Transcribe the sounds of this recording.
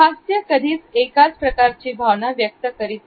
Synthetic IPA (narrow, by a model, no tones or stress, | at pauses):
kasjəkəd̪ʱiːt͡st͡sekat͡spɾəkaɾt͡ɕiːbʱaʋɳaʋjək̚t̪əkəɾit̪